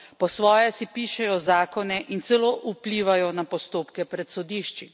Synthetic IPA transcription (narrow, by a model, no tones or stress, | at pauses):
pɔsʋɔːjɛsipiːʃɛjɔzaːkɔnɛʔint̪sɛloːʔupliːʋajɔnapɔst̪oːpkɛpɾɛt̪sɔd̪iːʃt͡ʃi